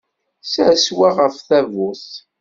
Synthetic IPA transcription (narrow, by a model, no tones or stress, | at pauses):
sæswaʁəfθævʊθ